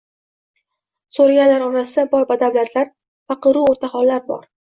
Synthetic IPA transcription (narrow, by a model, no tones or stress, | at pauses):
soɾaɡʲalaɾɒɾasɪd̪abɒɾvad̪awlat̪ʰlaɾ | fɑqɨɾuoɾt̪ʰaχɒlˠːaɾbɒ̰ɾ